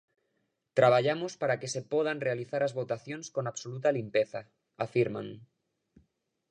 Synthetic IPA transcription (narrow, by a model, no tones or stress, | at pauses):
t̪ɾaβ̞aʎamospaɾakese̞poðanrealiθaɾazβot̪aθjo̞nsko̞naβsolut̪alimpeθa | afiɾma̰n